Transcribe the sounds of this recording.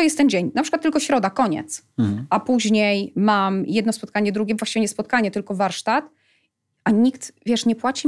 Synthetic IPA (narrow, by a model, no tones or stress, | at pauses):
ɔjɛst̪ːɛnd͡ʑeɲnapʂɘkwat̪ːɘlkɔɕɾɔd̪akɔɲɛ̰t̪s | ʔapuʑɲejmamjɛd̪nɔspɔt̪̚kaɲɛd̪ɾuɡʲɛbvwaɕt͡ɕiveɲɛspɔt̪̚kaɲɛt̪ɘlkɔvaɾʂt̪at̪ | ʔaɲikt̪vʲjɛʂɲɛpwat͡ɕi